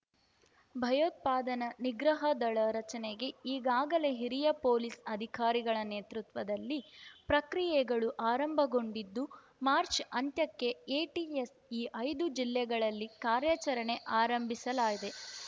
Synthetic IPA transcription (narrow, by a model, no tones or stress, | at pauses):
bʱɐjoːt̪̚paːd̪ɐnɐniɡɾɐɦɐd̪ɐɭɐɾɐt͡ʃɐneɡe̞iːɡaːɡɐle̞ɦiɾijɐpoːlisɐd̪ʱikaːɾiɡɐɭɐneːt̪ɾut̪ʋɐd̪ɐlːipɾɐkɾijɛɡɐɭuʔaːɾɐmbʱɐɡo̞ɳɖid̪ːu | maːɾt͡ʃɐnt̪jɐkːe̞eːʈies | iːʔɐjd̪ud͡ʒilːɛɡɐɭɐlːikaːɾjɐt͡ʃɐɾɐɳe̞ʔaːɾɐmbʱisɐlaːɡid̪e̞